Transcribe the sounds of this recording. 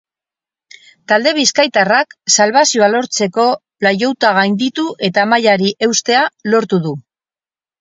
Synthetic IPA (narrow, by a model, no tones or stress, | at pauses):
t̪ald̪e̞β̞iskajt̪araksalβasio̞alo̞ɾt͡se̞ko̞plajo̞wt̪aɣ̞ajnd̪it̪uʔe̞t̪amajaɾiʔe̞wst̪e̞alo̞ɾt̪uðu